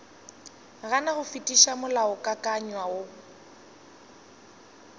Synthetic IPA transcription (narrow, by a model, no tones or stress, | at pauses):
ɣanaɣʊfitʼiʃamʊlaʊkʼakʼaɲwao